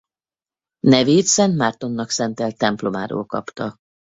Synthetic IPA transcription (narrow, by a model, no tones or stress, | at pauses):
nɛveːt̪sɛnt̪maːrt̪o̞nːɒksɛnt̪ɛlt̪ɛmplo̞maːɾo̰ːlkɒ̰pt̪ɒ